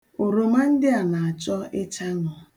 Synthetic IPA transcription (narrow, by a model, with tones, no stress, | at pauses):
o˨ɾo˨ma˦n̩˦dɪ˦a˨na˨a˨t͡ʃɔ˦ɪ˦t͡ʃa˦ŋɔ˨